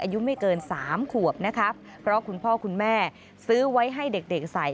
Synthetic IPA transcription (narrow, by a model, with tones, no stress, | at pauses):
ʔaː˧ju˦˥ma˥˩jkɤː˧nsaː˩˦mkʰu˨˩əp̚na˦˥kʰa˦˥pʰːɾɔ˦˥kʰu˧npʰɔː˥˩kʰu˧nmɛː˥˩ | sɯː˦˥wa˦˥jɦa˥˩jde˨˩k̚de˨˩k̚sa˨˩j